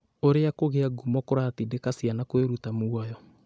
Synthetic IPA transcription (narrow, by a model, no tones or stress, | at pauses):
oɾeakoɣeaɡumɔkoɾaːtidekasianakoeɾutamoajɔ